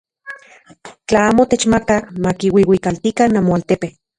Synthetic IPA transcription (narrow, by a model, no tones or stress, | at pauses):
t͡ɬaaːmot̪et͡ʃmakakmakiwiwikalt̪ikanamoalt̪epe